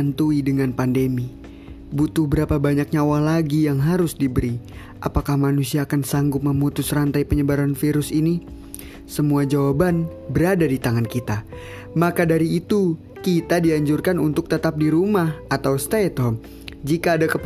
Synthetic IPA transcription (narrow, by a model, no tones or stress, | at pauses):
ant̪uidəŋanpandemi | but̪ʊhbəɾapabaɲak̚ɲawahlaɡijaŋɦaɾʊsdibəɾi | ʔa̰pakahmanusiaːkansaŋɡʊp̪̚məmut̪ʊsrant̪ajpəɲəbaɾanfiɾʊsini | səmuad͡ʒawaban | bəɾadadit̪aŋankit̪a | makadaɾiːt̪u | kit̪adiaɲd͡ʒurkanunt̪ʊk̚t̪ət̪ap̚diɾumahat̪awst̪at̪ɦɔm | d͡ʒikaːdakəp